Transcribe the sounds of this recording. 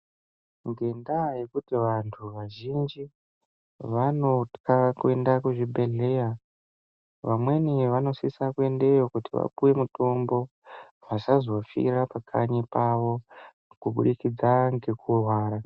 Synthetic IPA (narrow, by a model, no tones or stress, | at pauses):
ŋɡe̞ndaje̞kutiʋantʰuʋaʒind͡ʒi | ʋanokakue̞ndakuʐibʱe̞ɮe̞ja | ʋamwe̞niʋano̞sisakue̞nde̞jo̞kutiʋa̰ɓuwe̞muto̞mbo̞ | ʋasazo̞fḭrapakʰaɲipaʋo̞ | kuɓuɗikid͡zaŋɡe̞kurwaːɾa